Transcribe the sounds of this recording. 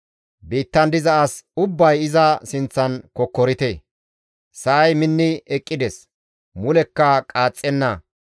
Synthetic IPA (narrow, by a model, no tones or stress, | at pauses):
biːt̪ːɐnd̪ɪzɐɐsʊbːɐjɪzɐsɪnt͡sːɐnkɔkːɔɾɪt̪e | sɐːjmɪnːɪɛkʼːɪd̪ɛs | mʊlɛkːɐkʼaːt͡sʼːɛnːɐ